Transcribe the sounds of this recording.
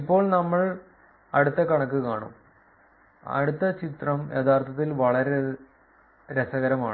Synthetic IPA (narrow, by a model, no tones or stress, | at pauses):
ipːo̞ːɭnɐmːɐɭ | ɐ̰ɽut̪ːɐkɐɳɐkːɨkaːɳṵm | ɐ̰ɽut̪ːɐt͡ɕit̪rɐmjet̪aːrt̪ʰɐt̪ːilʋɐɭɐɾe | ɾesɐɣɐɾɐmaːɳɨ